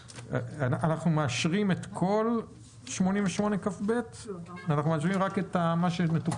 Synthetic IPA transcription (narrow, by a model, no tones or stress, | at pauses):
aʔanaχnumeaʃʁimetkʰo̞l | ʃmo̞nimveʃmo̞ne̞kafbe̞tanaχnumeaʃ̬ʁimʁaketamaʃemetu